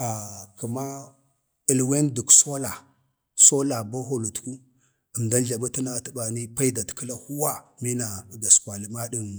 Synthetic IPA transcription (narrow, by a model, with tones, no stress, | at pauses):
a˨kə˨ma˦ | ə˨lwe˦ndu˨kso˦la˨ | so˦la˨ba˦ɦo˦lu˨tku˦ | ə˨mda˦n˦ɮa˨ma˦ta˦na˦tə˦ba˨ni˦pa˦i˦da˨tkə˦la˦hu˦wa˦mi˦na˨ɡa˨skwa˨li˦ma˦ɗi˦˨